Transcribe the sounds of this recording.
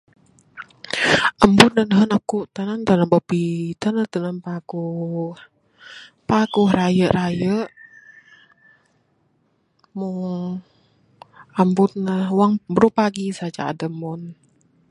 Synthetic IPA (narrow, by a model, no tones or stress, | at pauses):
ʔəmbut̪̚nənəɦənakuʔt̪ənənt̪ənənbəpit̪ənət̪ənənpakuh | pakuhrajəʔɾajəʔ | muŋ | əmbut̪̚nəhwaŋbəɾupaɡisad͡ʒa̰ːdəmɔn